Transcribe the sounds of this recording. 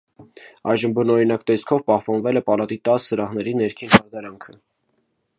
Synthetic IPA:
ɑjʒəmbənɔɾinɑkt̪ɛskʰɔvpɑhpɑnvɛlɛpɑlɑt̪it̪ɑsːəɾɑhnɛɾinɛɾkʰinhɑɾd̪ɑɾɑŋkʰə

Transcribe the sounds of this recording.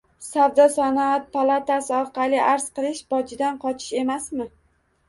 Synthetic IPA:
sawd̪ɒsanat̪̚pʰalˠat̪asɪɒɾqɑlɪʔaɾz̥qɨlˠɪʃbɒd͡ʒɪd̪anqʰɒt͡ʃʰɪ̥ʃe̞masmɪ

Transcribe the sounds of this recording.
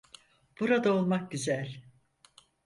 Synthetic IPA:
b̥uɾad̪ao̞lˠmak̚ɟyzælʲ

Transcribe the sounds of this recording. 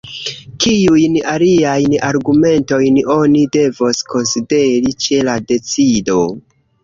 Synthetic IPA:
kijujnaliajnaɾɡume̞nto̞jno̞nide̞voskʰo̞nside̞ɾit͡ʃe̞lade̞t͡sido̞

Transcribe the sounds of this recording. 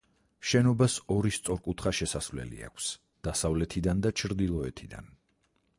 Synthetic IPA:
ʃɛnɔbasɔɾist̪sʼɔɾkʼut̪ʰχaʃɛsasvlɛ̰lḭa̰kʷʰs | d̪̥asavlɛt̪ʰid̪and̪at͡ʃʰɾd̪ilˠɔɛt̪ʰid̪a̰n

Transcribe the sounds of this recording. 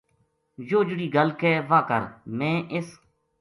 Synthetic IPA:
joːd͡ʒʊɽiːɡəlkeːʋaːkə̰ɾmẽːʔɪs

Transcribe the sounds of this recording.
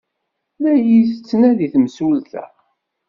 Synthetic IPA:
læjist͡sːnæðiθmsulθæ̰

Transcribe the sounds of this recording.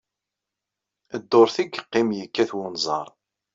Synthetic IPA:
əd̪ːoɾθiɡəqːɪmjəkːæθwʊnzˤɑ̰ɾˤ

